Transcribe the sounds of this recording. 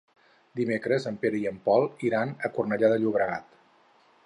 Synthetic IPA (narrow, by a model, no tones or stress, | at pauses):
d̪imekɾəzəmpeɾəiəmpɔlˠiɾanəkurnəʎaðəʎuβ̞ɾəɣat̪